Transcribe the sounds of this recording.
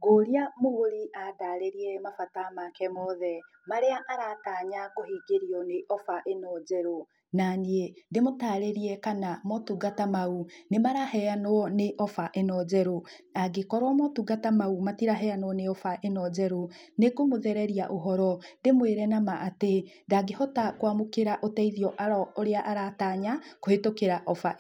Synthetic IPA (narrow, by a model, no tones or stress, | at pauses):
ɡoɾiamoɣoɾiʔataːɾeɾiɛmafatamakɛmɔðɛ | maɾeaʔaɾataːɲaɡohiːɡeɾiɔneʔɔfaʔenɔd͡ʒɛɾo | naniendemotaɾeɾiɛkanamotuɡatamaunemaɾahɛanɔɔneʔɔfaʔenɔd͡ʑɛɾoaɡekɔɾwamotuɡatamaumatiɾaɦɛanoɔneɔfaʔenɔɟɛɾonekomoðɛɾɛɾiaʔoɦɔɾɔndemweːɾɛnamaʔate | ndaɡehɔtakwamokeɾaʔotɛiðiɔʔaɾɔoɾeaʔaɾataɲakohetokeɾaʔɔfa